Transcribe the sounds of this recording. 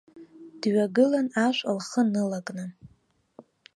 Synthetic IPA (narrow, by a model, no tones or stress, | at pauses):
d̥ɥaɡɨlanaʃʷʼalχənɨlakʼnɨ